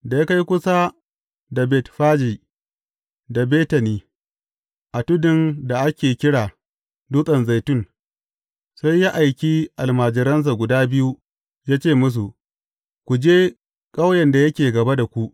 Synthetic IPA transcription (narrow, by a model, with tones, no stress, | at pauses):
da˨ja˦ka˦jkʷʊ˦sa˦ | da˨bɛ˨tɸaː˦d͡ʒi˨ | da˨beː˦tɐ˨niː˦ | ʔa˨tʊ˦dɪ˦˨nda˨ʔa˦kʲeː˨kʲɪ˦ɽaː˨ | duː˦sʼɐ˨nza˨jtʊ˦˨n | sa˦jːa˦ʔa˨jkʲiː˦ʔa˨lmaː˨d͡ʒɪ˨ɾɐ˦ns̬a˨ɡʷʊ˨daː˦bɪ˦ju˦ | jaː˦t͡ʃeː˦˨mʊ˦s̬u˨ʔ | kʷu˨d͡ʒeː˦ | kʼa˦wjɛ˨nda˨jɐ˦kʲeː˨ɡɐ˨ba˦da˨kʷu˦ʔ